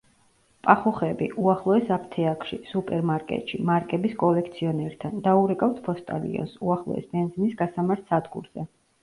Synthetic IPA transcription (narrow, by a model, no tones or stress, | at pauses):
pʼaχuχɛbiʔuaχlˠɔɛsap̚ʰt̪ʰɛakʰʼʃisupʼɛɾmaɾkʼɛ̰t̪ʼʃimaɾkʼɛbiskʼɔlɛk̚ʰt̪sʰiɔnɛɾt̪ʰand̪auɾɛkʼaft̪ʰpʰɔst̪ʼa̰lḭɔ̰nsuaχlˠɔ̰ɛ̰sbɛnzinisɡasamaɾt̪ʰsad̪ɡṵɾz̥ɛ